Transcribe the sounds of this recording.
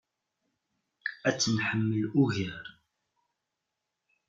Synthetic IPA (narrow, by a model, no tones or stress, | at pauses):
æt͡sːənħəmːəlʊʝəɾ